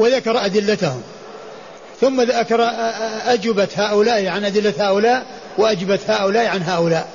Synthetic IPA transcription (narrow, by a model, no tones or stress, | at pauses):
wɪðakɑɾˤʔad̪ɪlːat̪ahʊm | θʊmːaðakɑɾˤɑʔad͡ʒɪbat̪haːʔʊlaːʔiʕanʔad̪ɪlːat̪haːʔʊlaːʔ | wɪʔad͡ʒɪbat̪haːʔʊlaːʔʕanɦaːʔʊlaːʔ